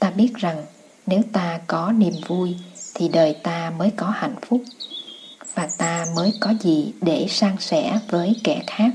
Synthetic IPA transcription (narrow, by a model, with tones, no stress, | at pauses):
t̪aː˧ɓi˦˥ət̚za˨˩ŋ | ne˨˦wt̪aː˧kɔ˨˦ni˨˩mvu˧jt̪ʰi˨˩ɗəː˨˩jt̪aː˧məː˨˦jkɔ˨˦ha̰˧˨jŋ̟fʊ˦˥k͡p̚ | vaː˨˩t̪aː˧məː˨˦jkɔ˨˦zi˨˩ɗe˧˩saː˧ŋsɛ̰˧˥vəː˨˦jkɛ̰˧˩xaː˦˥k̚